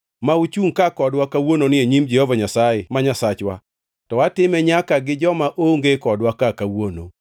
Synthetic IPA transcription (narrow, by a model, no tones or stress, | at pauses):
maut͡ʃuŋkakɔdwakawononɪeɲimd͡ʒɛhovaɲasajemaɲasat͡ʃwa̰ | tɔwatɪmɛɲakaɡɪd͡ʒɔmaʔoŋɡekɔdwakakawono̰